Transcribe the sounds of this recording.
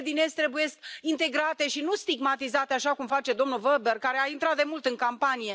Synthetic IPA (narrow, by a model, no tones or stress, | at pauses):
d̪inest̪ɾe̞buje̞st̪ʲint̪e̞ɡɾat̪e̞ʃinust̪iɡmat̪izat̪e̞aʃakumfat͡ʃe̞d̪o̞mnulvəbe̞rkaɾeaint̪ɾat̪̚d̪e̞mult̪ɨŋkampanije̞